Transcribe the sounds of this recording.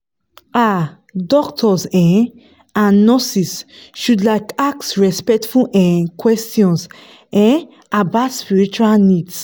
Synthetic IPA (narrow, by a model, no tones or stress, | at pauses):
a | dɔktʰɔsɛ̃n | anɔsisʃudlaɪkak̚tsɹɛspɛtfulʔɛ̃kwɛstjɔ̃ns | ɛ̃n | abaspiɹit͡ʃualnids